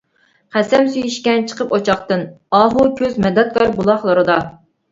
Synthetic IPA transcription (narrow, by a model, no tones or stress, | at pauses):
qæsɛmsyjyʃkʲɛnt͡ʃʰə̥qʰəpot͡ʃʰɑχt̪ɨnɑɦukʲʰøzmɛd̪ɛt̪̚kʰɑɾbulˠɑχlˠɨɾɨd̪ɑ